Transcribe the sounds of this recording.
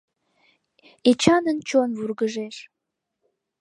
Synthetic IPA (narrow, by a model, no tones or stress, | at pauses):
et͡ɕɑnənt͡ɕonvurɣəʒeʃ